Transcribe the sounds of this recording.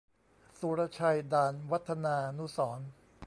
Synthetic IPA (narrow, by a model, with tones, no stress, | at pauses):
su˧ɾa˧t͡ɕʰa˧jdaː˧nwa˦˥t̪ʰːa˧naː˧nu˦˥sɔː˩˦n